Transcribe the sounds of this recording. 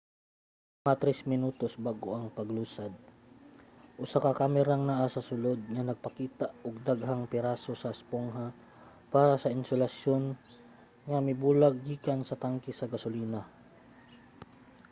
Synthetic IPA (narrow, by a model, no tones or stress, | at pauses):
ŋat̪ɾɛsmɪnuːt̪osbaɡo̰ʔɐŋpɐɡluːsad̪̚ | ʔʊsakɐkaːmɛɾaŋnaʔasɐsʊlod̪̚ŋɐnɐɡ̚pɐkiːt̪aʔʊɡ̚d̪aɡɦaŋpɛɾasosɐʔspoŋɦa | paːɾɐsɐʔɪnsʊlɐsjon | ŋɐmɪbuːlaɡ̚ːiːkaŋsɐt̪aŋkɪsɐɡɐsʊliːna